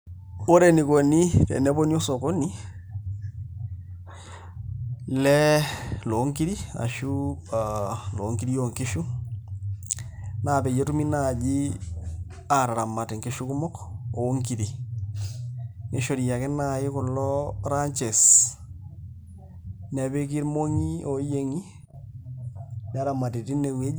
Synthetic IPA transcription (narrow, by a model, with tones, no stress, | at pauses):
o˦ɾɛ˨ni˨ko˨ni˦tɛ̰˨nɛ˦bo˦ni˦ɔ˦sɔ˨ko˦ni˦ | lɛ˦lo˨˦ŋki˦ɾi˦a̰˨ʃu˦alo̰˨˦ŋki˦ɾi˦jo˨ŋke˦ʃu˦ | naː˨pɛ˨je˦tu˦mi˦na˨d͡ʒi˦ | aɾa˨ɾa˨ma˨tɪ˨ŋkɪ˦ʃu˦kʊ˦mɔ˦ko˨˦ŋki˨ɾi˨ | ne˦ʃo˨ɾi˨ja˨kɪ˦na˦ɪ˦kʊ˨lːɔ˦ɾa˦ɲt͡ʃɛ˨s | nɛ˨be˦k̬i˦ɾmo˦ŋi˦o˨˦je˦ŋi˦ | n˦a˦ɾa˨ma˨ti˨ti˦ne˨we˦